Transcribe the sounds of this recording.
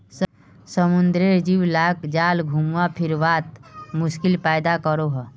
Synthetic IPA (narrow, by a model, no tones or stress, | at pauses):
s | səmund̪ɾeɾd͡ʒiwlakd͡ʒaːlɡʱumwapʰiɾbat̪mʊskilpajd̪akəɾoɦə